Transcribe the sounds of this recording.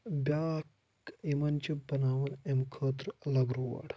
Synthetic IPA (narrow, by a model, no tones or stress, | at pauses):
bʲak | imɐnt͡ʃibɐnaːʋɐnemkʰəːt̪ɾlɐɡɾuʋɐ̰ɽ